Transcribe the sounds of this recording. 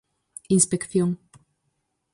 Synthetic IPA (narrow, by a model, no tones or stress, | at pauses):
inspekθjoŋ